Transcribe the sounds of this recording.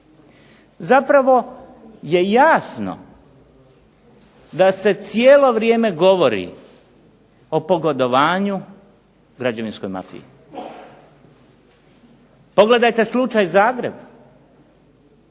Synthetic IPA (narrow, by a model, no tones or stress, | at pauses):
zapɾaʋo̞ | je̞jaːsno̰ | d̪ase̞t̪sjeːlo̞ʋɾje̞ːme̞ɡo̞ʋo̞ɾḭ | o̞po̞ɡod̪o̞ʋaːɲu | ɡɾad͡ʑaʋinsko̞jma̰fḭji | po̞ɡle̞d̪ajt̪e̞slˠut͡ʃajzaːɡɾe̞b